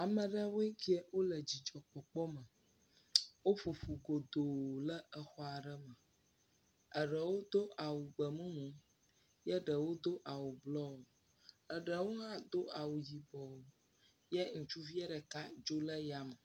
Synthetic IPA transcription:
a˨mə̃˨ɖə˦we˦ki˦ɛ˨wo˦lə˨d͡ʑi˨d͡ʒɔ˨k͡pɔ˨k͡pɔ˦mə˨ | wo˦fu˨ɸu˨ɡo˨d̪o˨lə˦ʔə˦xɔ˦a˨ɖə˦mə˨ | ə˨ɖə˨wo˦d̪o˦ʔa˨wu˨ɡ͡bə˨mũ˦mũ˦ | jə˦ɖə˨wo˦d̪o˦ʔa˨wu˨blɔ˦wo˨ | ə˨ɖə˨wo˦ɦã˦d̪o˦a˨wu˨d͡ʑi˨bɔ˨wo˨ | jɛ˦ŋ̩˨t͡ʃu˦vi˦ɛ˦ɖə˨ka˦d͡ʒo˦lə˦ja˨mə˨

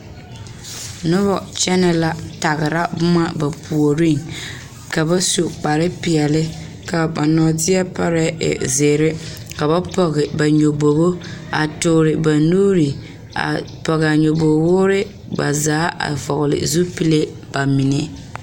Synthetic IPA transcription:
nʊ˦βɔ˨t͡ʃɛ˦nɛ˨la˨ta˨ɣɪ˨ɾa˦bʊ˦ma˦ba˨pʰu˨o˨ɾi˦ŋ | ka˨ba˦su˨k͡pa˨ɾɪ˦piɪ˨ɛ˨lɪ˦ | ka˨ba˨nɔː˨tɪ˦ɛ˦pa˦ɾɛ˦ɪ̰˨zeː˨ɾɪ˦ | ka˨ba˦pɔ˨ɣɪ˨ba˨ɲo˨bo˨bo˦a˨tʊː˨ɾɪ˨ba˨nuː˦ɾi˨ | a̰˨pɔ˨ɣɛ˨a˨ɲo˨bo˨wʊː˦ɾɪ˦ | ba̰˨zaː˨˦ʔa̰˨vɔ˨ɣʊ˨lɪ̰˨zu˦pi˦le˦ | b̥a˨mi˨ne˦

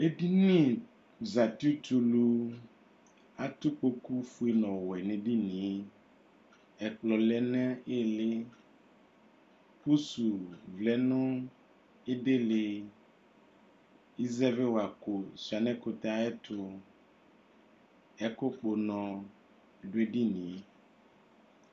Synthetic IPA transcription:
e˦di˦nĩ˦˨ | za˨ti˦tu˨lu˦ | a˦t̪ʊ˦k͡po˦ku˦fu˦e˦nɔ̃˨wɛ˨nẽ˨di˦nĩ˨˦ | ɛ˨k͡plɔ˨lɛ˦nɛ˦e˦le˦ | pu˦su˨vlɛ˨nõ˦ | e˦de˦le˨ | i˦zɛ˦ve˦wa˨ko˨si˨a˨nɛ̃˦ko˦t̪a˨˦ɛ˦tʰʊ˦ | ɛ˦ko˦k͡po˨nɔ̃˨ | ɖo˦e˦ɖi˦nĩ˨˦

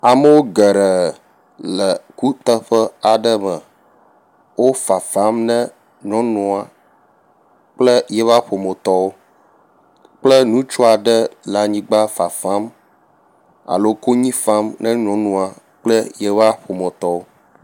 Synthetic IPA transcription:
a˨mə˦wo˦ɡə˨ɾə˨ | lə˨ku˦t̪ə˦ɸə˦a˨ɖə˦mə˨ | wo˦fa˨fa˦mnə̃˦ | ɲɔ̃˨˦nũ˨a˨ | k͡plə˦jɛ˦va˦ɸo˨mə˨t̪ɔ˦wo˦ | k͡plə˦nũ˦t͡ʃu˦a˨ɖə˦la˨ɲĩ˦ɡ͡ba˦fa˨fa˦m | a̰˨lo˦ko˦ɲĩ˦fa˦mnə˦ɲɔ̃˨˦nũ˨a˨ | k͡plə˦jɛ˦va˦ɸo˨mə˨t̪ɔ˦wo˦

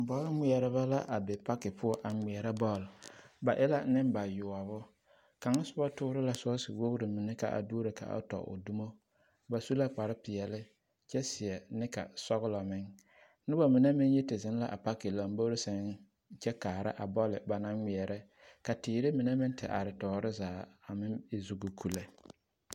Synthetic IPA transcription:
m̩˨bɔ˦lɪ˦ŋ͡mɪ˦˨ɛ˨ɾɪ˨ba˦la˦ʔa˨bɪ˨pa˦kɪ˨pʰʊ˦ɔ˨ʔa˨ŋ͡mi˨ɛ˨ɾa˦bɔ˦˨lba˨ʔɪ˦la˦nɪ˦mba˨jʊ˨a˨βʊ˦ | ka˨ŋa˦sʊ˦ba˦tʊː˦ɾɪ˦la˨sɔ˦sɪ˨wo˦ɣɾɪ˨mɪ˨nɪ˦ka̰˨ʔa̰˨du˦ɾɪ˨ka̰˨ʔa̰˦tɔ̰˨ʊ̰˨du˦mo˦ | ba˨su˦la˦k͡pa˨ɾɪ˦pɪ˨ɛ˨lɪ˦ | t͡ʃɛ˦sɪ˨ɛ˨nɪ˦ka̰˨sɔ˦ɣʊ˦lɔ˨mɪ˦ŋ | nɪ˦ba˨mɪ˨na˦mɪ˦njɛ˦tɪ˨zɪ˦n˦la̰˨ʔa̰˨pa˦kɪ˨la˨m˦bo˦ɾɪ˦sɛ˨˦n | t͡ʃɛ˦kaː˨ɾɪ̰˦ʔa˨bɔ˦lɪ˨ba˨na˦ŋŋi˨ɛ˨ɾɪ˦ | ka˨tɪː˨ɾɪ˦mɪ˨ne˦mɪ˦ntɪ̰˨ʔa̰˨ɾɪ˨tɔː˨ɾɪ˦zaː˨a˨mɪ˦ɪ˨zu˨ɡʊ˨kʰu˨la˦

